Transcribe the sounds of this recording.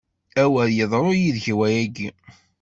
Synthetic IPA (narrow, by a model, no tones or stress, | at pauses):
æwæɾjəðˤɾˤojiðçwæjæɡi